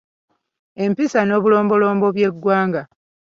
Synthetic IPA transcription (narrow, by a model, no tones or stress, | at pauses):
e̞mpisano̞ːβulo̞ːmbo̞lo̞ːmbo̞βje̞ɡːwaːŋɡa